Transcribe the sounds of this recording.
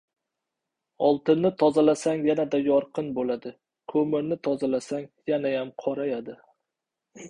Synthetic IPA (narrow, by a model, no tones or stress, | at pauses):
ɒlˠt̪ɪnːɪt̪ʰɒzalasaŋjanad̪ajɒɾqɨnbolad̪ɪ | kʰɵmɪɾnɪt̪ʰɒzalasaŋjanajamqʰɒɾajad̪ɪ